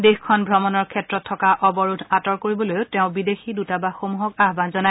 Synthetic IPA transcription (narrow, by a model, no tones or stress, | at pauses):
dexkʰɔnbʱɹɔmɔnɔɹkʰɛtɹɔtʰːɔkaʔɔbɔɹudʰʱatɔɹkoɹibɔlojʊtɛʊ̃bidexidutabaxomuɦɔkaɦbanzɔna